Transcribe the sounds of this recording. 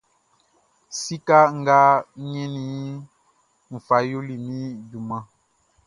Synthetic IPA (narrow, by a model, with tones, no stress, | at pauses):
si˦ka˦ŋ̩˦ɡa˦ɲɛ˦ni˦ | m̩˨fa˨˦jo˦li˨mĩ˦du˨mã˦